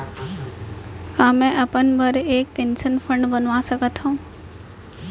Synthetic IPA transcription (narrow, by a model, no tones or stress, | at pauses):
kãːmɛ̃ʔɐpənbʱəɾeːk̚ʈẽnsənfʰə̃ɳɖbənʋasəkət̪ɦũː